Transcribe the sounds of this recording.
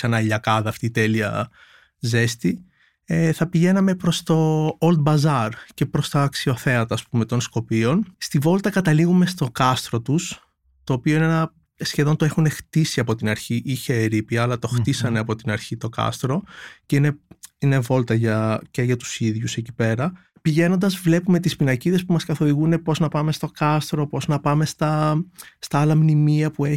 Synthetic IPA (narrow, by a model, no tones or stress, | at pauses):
sɐnɐiʎɐkɐðɐːft̪iːt̪e̞liɐ | ze̞st̪i | eθɐpiʝe̞nɐme̞pɾo̞st̪o̞old̪̚bɐzɐɾce̞pɾo̞st̪ɐːksio̞θeɐt̪ɐːspume̞t̪o̞nsko̞pio̞nst̪ivo̞lt̪ɐkɐt̪ɐliɣume̞st̪o̞kɐst̪ɾo̞t̪us | t̪o̞ːpioinenɐ | sçe̞ðo̞nt̪oe̞xune̞xt̪isiɐpo̞t̪inɐɾçiʔiçeːɾipiɐːlɐt̪o̞xisɐne̞ɐpo̞t̪inɐɾçit̪o̞kɐ̰st̪ɾo̞ce̞ine̞ine̞vo̞lt̪ɐʝɐceʝɐt̪u̥siðʝuse̞cipe̞ɾɐ | piʝe̞no̞nd̪ɐzvle̞pume̞t̪ispinɐciðe̞spumɐskɐθo̞ðiɣune̞po̞znɐpɐme̞st̪o̞kɐst̪ɾopo̞znɐpɐme̞st̪ɐst̪ɐɐlɐmnimiɐpue